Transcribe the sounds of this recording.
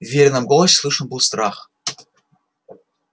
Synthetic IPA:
vʲeɾʲnɨmɡolˠəɕʲslˠɨʂə̆nbulˠst̪ɾɑχ

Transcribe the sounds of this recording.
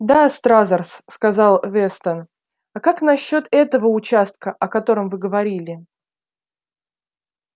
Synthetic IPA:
d̪ast̪ɾazərsːkɐzɑlˠvʲɛst̪ən | ɐkaknɐɕːo̞t̪ɛt̪əvəʊt͡ɕast̪̚kəʔɐkɐt̪o̞ɾəmvɨɡəvɐɾʲilʲɪ

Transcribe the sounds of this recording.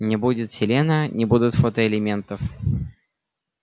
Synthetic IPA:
nʲɪbudʲɪt̪sʲɪlʲenənʲɪbud̪ʲʊt̪fot̪əɪlʲɪmʲe̞nt̪əf

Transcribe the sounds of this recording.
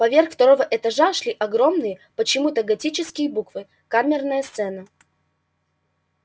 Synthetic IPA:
pɐvʲerxft̪ɐɾo̞vəʔɛt̪ɐʐaʂlʲiʔɐɡɾo̞mnɨjəpət͡ɕɪmut̪əɡɐtʲit͡ɕɪskʲɪjəbukvɨ | kamʲɪrnəjəst̪sɛnə

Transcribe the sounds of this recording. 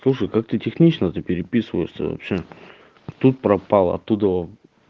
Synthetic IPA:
slˠuʂəjkak̚t̪ɨtʲɪxnʲit͡ɕnət̪ɨpʲɪɾʲɪpʲisɨvə̰ɪʂsʲə̰vɐ̰pɕe | t̪ut̪̚pɾɐpalˠɐ̰t̪ːud̪əo

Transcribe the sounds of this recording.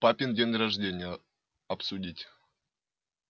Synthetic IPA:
papʲɪndʲenʲrɐʐdʲenʲɪjə | ɐpsʊdʲitʲ

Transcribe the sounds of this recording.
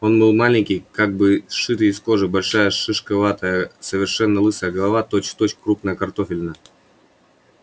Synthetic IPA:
o̞nbɨlˠmalʲɪnʲkʲɪjkaɡ̚bɨʂɨt̪ɨɪsko̞ʐɨbɐlʲʂajəʂɨʂkɐvat̪əjəsəvʲɪrʂɛnːəlˠɨsəjəɡəlˠɐvat̪o̞t͡ɕt̪ot͡ɕkkɾupnəjəkɐrt̪o̞fʲɪlʲnə

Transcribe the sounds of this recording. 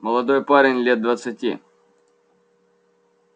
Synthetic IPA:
məlˠɐd̪ojpaɾʲɪnʲlʲet̪̚d̪vət̪sɨtʲḭ

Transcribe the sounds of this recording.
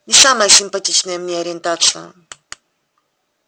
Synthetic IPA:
nʲɪsaməjəsʲɪmpɐtʲit͡ɕnəjəmnʲeɐɾʲɪnt̪at̪sɨjə̰

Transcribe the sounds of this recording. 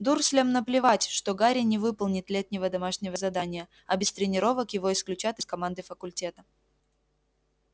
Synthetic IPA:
d̪ursʲlʲemnəplʲɪvatʲʂt̪oɡaɾʲɪnʲɪvɨpəlˠnʲɪt̪lʲet̪ʲnʲɪvəd̪ɐmaʂnʲɪvəzɐd̪anʲɪjə | ɐbʲɪst̪ɾʲɪnʲɪɾo̞vəkjɪvo̞ɪsklʲʉt͡ɕat̪ɨskɐmand̪ɨfəkʊlʲtʲe̞t̪ə

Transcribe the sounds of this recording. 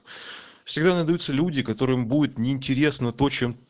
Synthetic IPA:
fsʲɪɡd̪anad̪ɐjut̪səlʲudʲɪkɐt̪o̞ɾɨɪmbudʲɪt̪nʲɪːnʲtʲɪɾʲe̞snət̪o̞t͡ɕem

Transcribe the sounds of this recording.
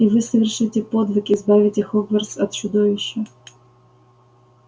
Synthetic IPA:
ivɨsəvʲɪrʂɨtʲɪpod̪vɨkʲɪzbavʲɪtʲɪxokvərsɐt̪t͡ɕʊd̪ovʲɪɕːə

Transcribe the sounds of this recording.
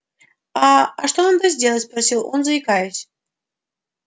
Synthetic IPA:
aːʂt̪oond̪əzʲdʲelˠətʲspɾɐsʲilˠoɔ̰nzəɪkajʊsʲ

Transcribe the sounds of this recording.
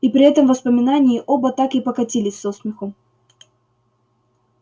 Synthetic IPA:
ipɾʲɪɛt̪əmvəspəmʲɪnanʲɪɪʔobət̪akɨpəkɐtʲilʲɪsʲsosmʲɪxu

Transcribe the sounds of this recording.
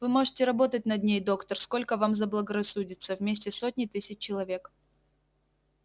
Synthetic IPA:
vɨmo̞ʐɨtʲɪɾɐbo̞t̪ət̚ʲnɐd̪ʲnʲejd̪o̞kt̪ərsko̞lʲkəvamzəblˠəɡəɾɐsːudʲɪt̪səvmʲesʲtʲɪsot̚ʲnʲɪt̪ɨsʲɪt͡ɕːɪlˠɐvʲe̞k

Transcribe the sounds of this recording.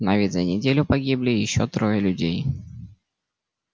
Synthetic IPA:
nɐvʲit̪zɐnʲɪdʲelʲʊpɐɡʲiblʲɪjɪɕːot̪ɾojəlʲʉdʲej

